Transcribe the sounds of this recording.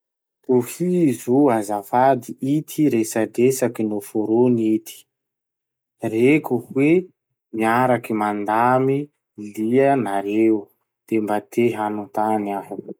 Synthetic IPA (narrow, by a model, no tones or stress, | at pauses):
t̪ohizoazafad̪iʔit̪ʰiɾesad̪esakinofoɾonit̪i̥ | rekuhwe | miaɾakimand̪ami | liənaɾe | d̪̥embat̪ʰeɦanut̪anaɦu